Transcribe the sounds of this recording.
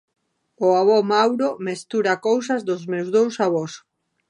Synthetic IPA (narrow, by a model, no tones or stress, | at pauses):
oaβɔmawɾomest̪uɾakows̬azðʊzmewzðowsaβos